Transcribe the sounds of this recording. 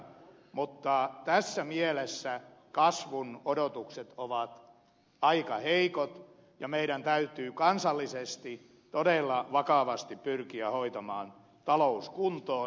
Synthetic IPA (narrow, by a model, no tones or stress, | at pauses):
mut̪ːɑt̪æsːæmielesːækɑsʋunodot̪ukset̪oʋɑt̪ | ɑikɑheikot̪ | jɑmeiɾænt̪æyt̪yːkɑnsɑlːisest̪i | t̪odelːɑʋɑkɑʋɑst̪ippyrkiæhoit̪ɑmɑːn | t̪ɑlouskunt̪ˑoː